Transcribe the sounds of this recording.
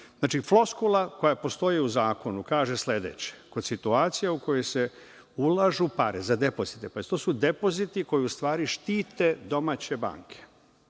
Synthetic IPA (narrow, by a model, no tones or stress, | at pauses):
znaːt͡ʃiflo̞skulˠako̞japo̞st̪o̞jiuzaːko̞nukaːʒe̞sle̞d̪et͡ɕe̥ko̞d̪sit̪uaːt̪sijauko̞jojse̞ | ulˠaʒupaɾezad̪e̞po̞zit̪epaist̪osud̪e̞po̞zit̪iko̞jiust̪ʋaːɾiʃt̪iːt̪e̞d̪o̞mat͡ɕe̞ba̰ːŋkʰe̥